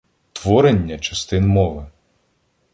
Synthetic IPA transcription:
t̪ʋɔɾenʲːɐt͡ʃɐst̪ɪnmɔʋɪ

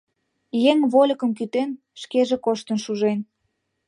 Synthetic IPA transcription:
jeŋβolʲə̆kə̆mkyt̪en | ʃkeʒĕkoʃt̪ənʃuʒen

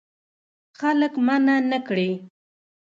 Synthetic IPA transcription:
xaləkmananəkɽe

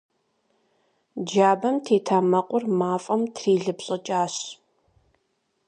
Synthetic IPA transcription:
d͡ʒaːbɐmtʰeːtʰaːmɐqʷʼʊrmaːfʼɐmtʰriːɮɨpɕʼɐt͡ʃʼaːɕ

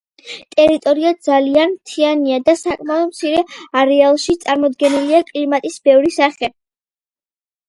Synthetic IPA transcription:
t̪ʼɛɾit̪ʼɔɾiad̪zalianmt̪ʰianiad̪asakʼmaɔd̪mt̪sʰiɾɛaɾɛalˠʃit̪sʼaɾmɔd̪ɡɛniliakʼliɾmat̪ʼisbɛvɾisaχɛ

